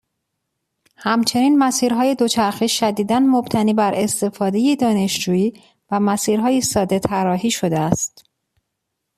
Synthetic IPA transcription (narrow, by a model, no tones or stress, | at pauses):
hæmt͡ʃʰe̞niːnmæsiːɾɦɒːjed̪o̞t͡ʃʰæɾxiːʃæd̪iːd̪ænmob̥t̪ʰæniːbæɾʔe̞st̪e̞fɒːd̪e̞jed̪ɒːne̞ʃd͡ʒuːjiː | væmæsiːɾɦɒːjisɒːd̪e̞t̪ʰæɾɒːɦiːʃo̞d̪eæst̪